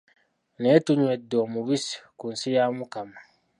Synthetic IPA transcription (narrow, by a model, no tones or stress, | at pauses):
netuɲwedːeomuβisi̥kunsijamukama